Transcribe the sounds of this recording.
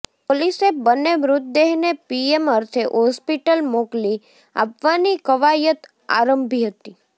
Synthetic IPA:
polisebənːeʋɾʊt̪̚d̪eɦnepieməɾt̪ʰeɦɔspiʈəlmokli | a̰pʋanikəʋajət̪ | a̰ɾəmbʱiɦət̪i

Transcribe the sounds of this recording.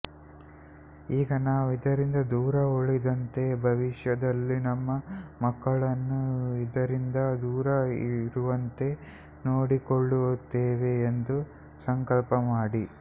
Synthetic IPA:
iːɡɐnaːʋid̪ɐɾind̪ɐd̪uːɾɐoɭid̪ɐnt̪e̞bʱɐʋiʂjɐd̪ɐlːinɐmːɐmɐkːɐɭɐnːuid̪ɐɾind̪ɐd̪uːɾɐiɾuʋɐnt̪e̞ | noːɽikoɭːut̪ːeːʋe̞ːnd̪u | sɐŋkɐlpɐmaːɽi

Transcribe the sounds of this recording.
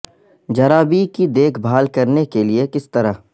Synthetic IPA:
d͡ʒɐɾaːbikid̪eːkʰbʱaːlkɐɾnekeliekɪst̪ɐɾa

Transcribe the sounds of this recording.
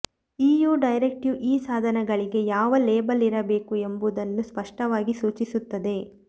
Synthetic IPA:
iːjuːɖɐjɾek̚ʈjuʔiːsaːd̪ʱɐnɛɡɐɭiɡe̞jaːʋɐleːbɐliɾɐbe̞ːkue̞mbud̪ɐnːuspɐʂʈɐʋaːɡisuːt͡ʃisut̪ːɐd̪e̞

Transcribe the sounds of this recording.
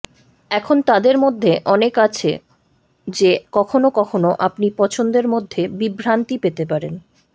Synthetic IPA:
ɛkʰont̪ad̪eɾmod̪ʱːeʔɔnekat͡ɕʰḛ | d͡ʑekɔkʰonokɔkʰonoʔapnipɔt͡ɕʰond̪eɾmod̪ʱːebibʱɾant̪ipet̪epaɾen

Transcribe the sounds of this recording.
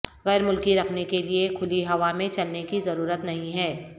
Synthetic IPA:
ɣɛːɾmʊlkiɾɐkʰnekeliekʰʊliɦɐʋamẽt͡ʃɐlnekizɐɾuːɾət̪nɐɦĩɦɛː

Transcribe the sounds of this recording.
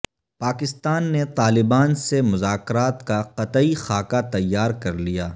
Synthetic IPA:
paːkɪst̪aːnːet̪aːlɪbaːnsemʊzaːkɾaːt̪kaqɐt̪ixaːkat̪ɐjːaːɾkɐɾlijaː

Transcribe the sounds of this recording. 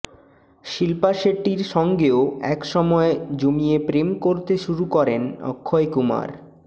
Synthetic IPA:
ʃilpaʃeʈːiɾʃɔŋɡeoɛkʃɔmɔed͡ʑomiepɾemkoɾt̪eʃuɾukɔɾenɔ̰kʰːoekuma̰ɾ

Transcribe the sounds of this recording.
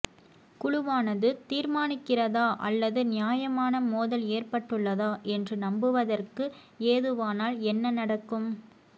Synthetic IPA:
kʊɻʊʋaːnɐðɯt̪iːɾmaːnɪkːɪrɐðaːʔɐ̰lːɐðɯnɪjaːjɐmaːnɐmoːðɐleːrpɐʈːɯɭːɐðaːʔɛndrɯnɐmbɯʋɐðɐrkɯ | eːðɯʋaːnaːlɛnːɐnɐɽɐkːɯm

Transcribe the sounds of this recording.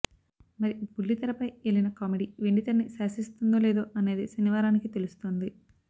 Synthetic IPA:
mɐɾipulːit̪ɐɾɐpɐjeɭinɐkaːmeɖiːʋeɳɖit̪ɐɾnisaːsist̪und̪oːle̞ːd̪oːʔɐne̞ːd̪isɐniʋaːɾaːnikit̪e̞lust̪ond̪i

